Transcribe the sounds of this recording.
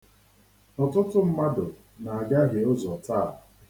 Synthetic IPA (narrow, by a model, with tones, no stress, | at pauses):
nɔ˨tʊ˦tʊ˦m̩˦ma˦dʊ˨ | na˨a˨ɡa˦ɦe˨ʊ˦zɔ˨ta˦˨